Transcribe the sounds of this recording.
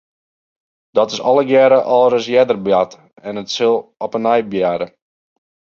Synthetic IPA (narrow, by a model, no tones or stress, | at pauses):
d̥ɔtɪsɔlˠəɡjɛɾəʔɔlˠɾəs̬jɛdərbjat | ɛnətsɪlˠɔpənɛjbjaːɾə